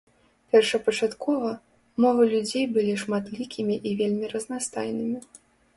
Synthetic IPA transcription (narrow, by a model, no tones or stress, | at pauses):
pʲɛrʂɐpɐt͡ʂat̪kɔvɐ | mɔvɨlʲud͡zʲejbɨlʲiʂmat̪lʲikʲimʲiʔivʲelʲmʲiɾɐznast̪ajnɨmʲi